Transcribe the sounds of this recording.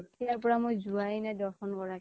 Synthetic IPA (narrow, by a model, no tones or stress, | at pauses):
tiaɹpɔɹamojzuajnɛdɔɹxɔnkɔɹak